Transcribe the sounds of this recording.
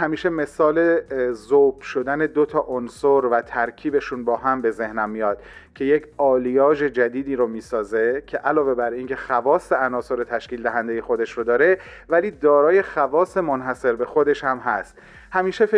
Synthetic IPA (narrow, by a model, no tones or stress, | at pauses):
hæmiːʃe̞me̞sɒːlezob̥ʃod̪æne̞d̪ot̪ʰɒːʔonsoɾvæt̪ʰæɾcʰiːbe̞ʃunbɒːɦæmbe̞ze̞hnæmːijɒːd̪̥cʰe̞jecʰɒːlijɒːd͡ʒe̞d͡ʒæd̪iːd̪iːɾomiːsɒːze̞cʲʰe̞ʔælɒːve̞bæɾiːŋkʰe̞xævɒːsːeænɒːso̞ɾet̪ʰæʃkiːld̪æɦænd̪eje̞xo̞d̪e̞ʃɾod̪ɒːɾe̞væliːd̪ɒːɾɒːje̞xævɒːse̞monɦæse̞ɾbe̞xo̞d̪e̞ʃhæmɦæst̪ | hæmiːʃefe